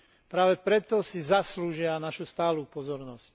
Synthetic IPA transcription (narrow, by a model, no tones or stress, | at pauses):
pɾaːʋɛpɾɛt̪ɔsizasluːʒɪanaʃust̪aːluːpɔzɔɾnɔsc